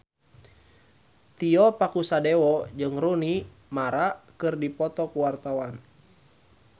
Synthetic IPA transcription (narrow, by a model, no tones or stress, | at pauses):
t̪iɔpakusadɛwɔd͡ʒɨŋɾuni | maɾakɨrdipɔt̪ɔkuwart̪awan